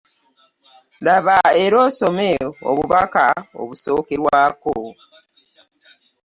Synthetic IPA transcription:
daβaeɾo̞ːso̞meo̰βuβaka̰o̰βusoːkeɾwaːko

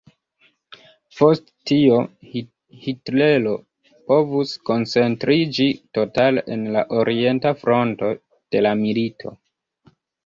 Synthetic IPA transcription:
po̞sttio̞ | hitle̞lo̞ | po̞vusko̞nt͡se̞ntɾid͡ʒito̞taleʔenla̰ʔo̞ɾʔie̞ntafɾo̞nto̞ | d̥e̞lamilitʰo̞̰

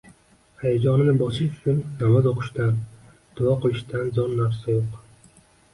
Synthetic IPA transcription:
hajad͡ʒɒnɪnɪbɒsɪʃt̪ʰʊ̥t͡ʃʰʊnːamazoqʰɨ̥ʃt̪an | d̪̥ʊɒqɨlɪʃt̪anzɒnːaɾsɪoq

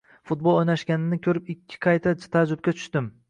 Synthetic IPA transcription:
fʊt̪̚bolˠojnaʃɡʲanɪnɪkʲʰɵɾɪpɪkʲʰːɪ̥qʰɑjt̪ʰat̪ʰad͡ʒʊbkʲat̪ʰʊ̥ʃt̪ɪm

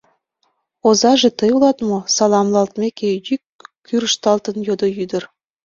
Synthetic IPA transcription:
ozɑʒet̪əjulɑt̪mosɑlɑmlɑlt̪mekejykː | yɾəʃt̪ɑlt̪ənjod̪ojyd̪ə̆r

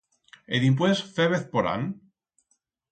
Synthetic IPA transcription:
eðimp̬wesfeβeθpoɾa̰n

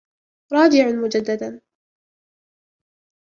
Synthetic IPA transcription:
ɾˤɑːd͡ʒɪʕʊmʊd͡ʒad̪ːad̪an

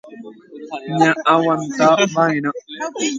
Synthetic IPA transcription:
ɲãʔawant̪abajna

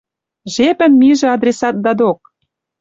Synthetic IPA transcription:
ʒepɘ̆nmiʒĕɑd̪rʲesɑt̪̚d̪ɑd̪ok̚

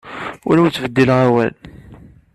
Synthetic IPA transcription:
ʊ̰ɾæwut͡sːvəd̪ːilʁæwæl

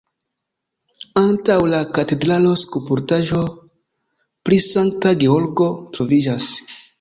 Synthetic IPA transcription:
antawlakate̞dɾalo̞skupuɾtaʒo̞ | pɾisaŋk̚taɡeoɾɡo̞tɾovid͡ʒas

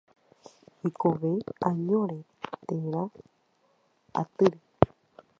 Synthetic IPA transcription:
ikoʋeãɲõɾe | t̪ẽɾ̃ã | a̰t̪ɨɾe

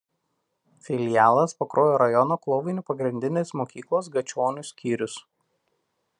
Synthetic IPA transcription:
fʲɪlʲɪjæːlˠɐspɐkɾʔoːjoːɾɐjɔnoːklˠɔʊʋʲɪnʲʊːˑpɐɡɾʲɪnʲd̪ʲɪnʲeːsmoːkʲiːklˠoːs̬ɡɐt͡ʃʲoːnʲʊsʲkʲiːɾʲʊs

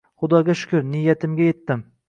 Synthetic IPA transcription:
χʊd̪ɒɡʲaʃʊ̥kʰʲʊɾnijat̪ʰɪmɡʲaje̞t̪ːɪm

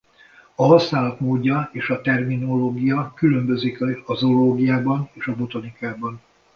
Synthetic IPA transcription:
ɒɦɒsnaːlɒt̪moːɟːɒeːʃɒt̪ɛrmino̞loːɡijɒkylø̞mbø̞zikɒzoloːɡijaːbɒneːʃɒbo̞t̪onikaːbɒn

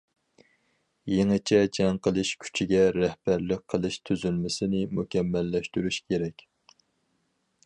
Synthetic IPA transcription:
jeŋɨt͡ʃʰɛd͡ʒɛŋqʰəlˠɨʃkʲʰy̥t͡ʃʰiɡʲɛɾɛhbæɾlɪk̚ʲqʰəlˠɨʃt̪ʰyzylmɪsɪnɪmukʲɛmːɛlːɛʃt̪yɾyʃkʲʰeɾɛkʲ

